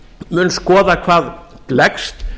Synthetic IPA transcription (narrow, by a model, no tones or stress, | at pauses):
mʏnskɔːðakʰvaːðlɛkst̪